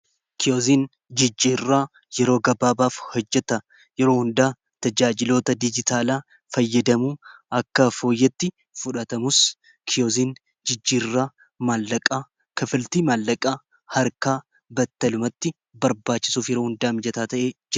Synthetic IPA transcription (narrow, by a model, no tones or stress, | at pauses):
kɪjoːziːn | d͡ʒɪd͡ʒːiːrːaː | jɛɾo̞ːɡɐbaːbaːfhɔd͡ʒːɛt̪ɐ | jɛɾo̞ːhʊnd̪aː | t̪ɐd͡ʒaːd͡ʒɪloːt̪ɐd̪ɪd͡ʒɪt̪aːlaː | fɐjːɐd̪ɐmuːɐkːɐfo̞ːjːɛt̪ːɪ | fʊᶑɐt̪ɐmʊs | kʰɪjoːziːn | d͡ʒɪd͡ʒːiːrːaː | maːlːɐkʼaː | kɐfɪlt̪iːmaːlːɐkʼaː | hɐɾkaː | bɐt̪ːɐlʊmɐt̪ːɪ | bɐɾbaːt͡ʃːɪ̥suːfjɛɾoːhʊnd̪aːmd͡ʒɛt̪aːt̪ɐʔeːd͡ʒ